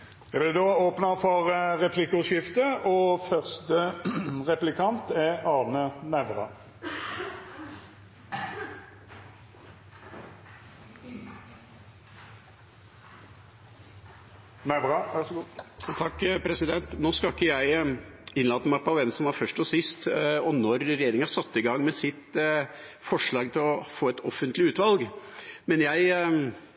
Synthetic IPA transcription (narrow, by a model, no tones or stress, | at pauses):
jæɪblɪd̪oːoːpnəfɔʁʁɛpʰlɪkːʊʃɪft̪əɔfœʁst̪əʁɛplɪkʰɑnt̪ɛɑːʁnənæʋʁɑ̰ | næbɑæt̪ʰɑkːpʰɾɛsɪd̪ɛnt̪noːskɑkːəjæɪɪnlɑːd̪əmɑpɑʋɛnsɔmʋɑɾfœʂʈɔsɪst̪ɔnɔɾɾɛjeːɾɪŋɑsɑt̪ːɪɡɑŋːmɛsɪt̪ | fɔʂɭɑːɡt̪ʰɪlɔfoːɛt̪ɔfːənt̪lɪʉːt̪ʋɑlɡmɛnjæɪ